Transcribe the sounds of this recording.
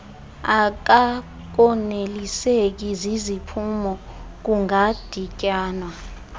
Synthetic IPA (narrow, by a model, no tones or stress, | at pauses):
ak̬a | k̬ɔnelisek̬izizipʰumɔ | k̬uŋad̥ʱicʼaːnwa